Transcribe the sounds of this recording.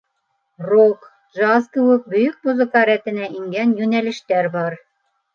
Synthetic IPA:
rok | ʒɑskɘ̆wɘk̚bɵ̆jɵk̚muzɤ̆kɑɾæt̪ɘ̆næʔiŋɡænjʉnælɘ̆ʃt̪æɾbɑɾ

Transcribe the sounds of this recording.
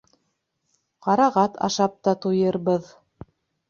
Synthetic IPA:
qɑɾɑʁɑt̪ʰɑ̰ʃɑp̚t̪ɑt̪ujɤɾβɤð

